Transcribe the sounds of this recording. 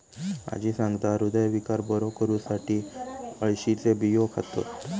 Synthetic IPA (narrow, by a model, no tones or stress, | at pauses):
a̰d͡ʑiːsãŋɡt̪aɾud̪əjʋikaɾbɔɾokəɾuːsaʈiːəɭɕit͡sebijokʰat̪o̰t̪